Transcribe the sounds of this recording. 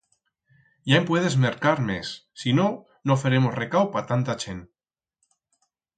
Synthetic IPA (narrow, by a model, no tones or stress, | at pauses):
jaempwe̞ð̞e̞zme̞ɾkaɾmesːino̞ | no̞feɾe̞mo̞sre̞kawpat̪ant̪at͡ʃen